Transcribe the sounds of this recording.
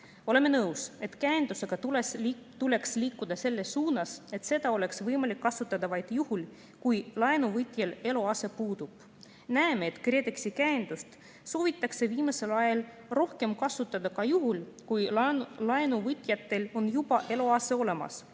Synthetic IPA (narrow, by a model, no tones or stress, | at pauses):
o̞le̞mːe̞nɤwse̞t̪kæend̪use̞ɡ̥ɑ | t̪ule̞ksliːkːˑud̪̥ɑse̞lːe̞suːnɑse̞t̪se̞d̪ɑo̞le̞ksvɤjmɑlʲikːɑsut̪ːˑɑd̪̥ɑvɑjd̪̥juhul | kujlɑenuvɤt̪ʲjele̞loɑse̞puːd̪̥ub̥ | næemeːt̪kret̪eksikæend̪̥ust̪ | so̞ːvit̪ːˑɑkse̞viːmɑse̞lɑjɑl | ro̞hke̞mkɑsut̪ːˑɑd̪ɑkɑjuɦulkujlɑenuvɯt̪ʲˑjɑt̪ːe̞lo̞njub̥ɑʔe̞loɑse̞o̞le̞mɑ̰s